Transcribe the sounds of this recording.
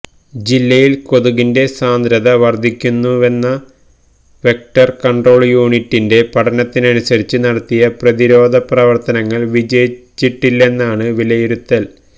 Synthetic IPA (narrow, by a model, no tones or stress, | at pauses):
d͡ʑilːɐjilko̞ðuɣinde̞saːnd̪ɾɐðɐʋɐrd̪ʱːikʲːunːue̞nːɐ | ʋe̞k̚ʈɐrkɐɳɖro̞ːɭjuːɳitːinde̞pɐʈʰɐnɐt̪ːinɐnusɐɾit͡ɕːɨnɐɽɐt̪ːijɐprɐðiɾo̞ːd̪ʱɐprɐʋɐrt̪ɐnɐŋːɐɭʋid͡ʑɐjit͡ɕːiʈːilːe̞nːaːɳɨʋilɐjiɾut̪ːɐl